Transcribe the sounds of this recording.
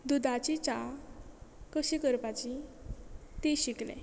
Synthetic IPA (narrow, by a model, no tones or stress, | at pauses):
d̪ud̪ʱat͡ɕit͡ɕa | kəɕikəɾpat͡ɕi | t̪iɕiklḛ̃